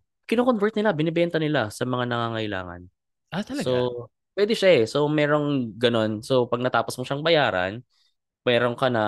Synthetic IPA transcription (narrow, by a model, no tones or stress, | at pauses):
kɪnoːkonvɛɹt̪̚nɪlabɪnɛbɛnt̪ɐnɪlasɐmɐŋanɐŋaːŋɐʔɪla̰ːŋɐ̰n | at̪ɐlɐso | pwɛːd̪ɪʃaɛso̞mɛːɾo̞ŋɡɐno̞nsopɐɡ̚nɐt̪aːposmoʃaŋbɐjaːɾɐ̰n | mɛːɾo̞ŋkɐnɐ